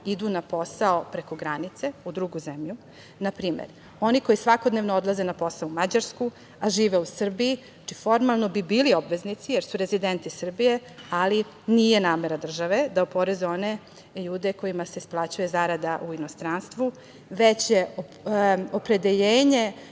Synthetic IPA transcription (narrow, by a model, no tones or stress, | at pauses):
id̪unapo̞saopɾe̞ko̞ɡɾanit̪se̞ud̪ɾuɡuzemʎu | napɾiːmḛɾ | o̞niko̞jisʋako̞d̪ne̞ʋnood̪lˠazenapo̞saoumad͡ʑaɾsku | aʒiːʋeusr̩biji | at͡ʃifo̞ɾmalˠno̞bibiːlio̞bʋe̞znit̪sijeɾsuɾe̞zid̪ent̪isr̩bije̞ali | nije̞naːme̞ɾad̪r̩ʒaʋe̞d̪aupo̞ɾezo̞ne | ʎuːd̪e̞ko̞jimaseisplˠat͡ɕuje̞zaɾad̪aʔuino̞st̪ɾanst̪ʋu | ʋet͡ɕje | opɾe̞d̪e̞ʎeːɲe̞